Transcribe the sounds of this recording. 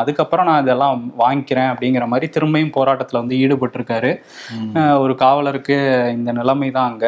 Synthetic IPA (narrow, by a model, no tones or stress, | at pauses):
ɐðɯkːɐpːɯɾɐ̃nãːɪðɛlːãːʋaːŋɡkɪɾẽːɐpːɐɽɪŋɡɪɾɐmaːðɾit̪ɪɾɯmbɐjɯmpoːɾaːʈːɐt̪ːɪlɐʋɐnd̪ɯiːɽɯpɐʈːɪɾɯkːaːɾɯ | ɔɾɯkaːʋɐɭɐɾɯkːɯɪnd̪ɐnɪlɐmɐɪt̪ãːɐŋɡɐ